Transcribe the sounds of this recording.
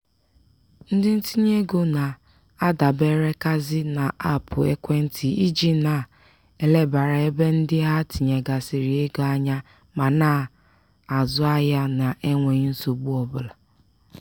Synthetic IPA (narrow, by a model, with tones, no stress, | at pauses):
n̩˦dɪ˦n̩˦ti˦ɲe˦ɡo˦na˨ | a˦da˨be˦ɾe˦ka˦zɪ˦na˨a˦pʊ˨e˦kʷe˦n̩˦tʰi˨i˦d͡ʒi˨na˨ | e˨le˦ba˨ɾa˨e˦be˦n̩˦dɪ˦ɦa˦ti˨ɲe˨ɡa˨sɪ˨ɾi˨e˦ɡo˦a˦ɲa˦ | ma˨na˦˨ | a˨zʊ˦a˦ja˦na˨ʔe˦ŋʷe˨ɲi˦n̩˦so˨ɡ͡bu˦ɔ˨bʊ˦la˨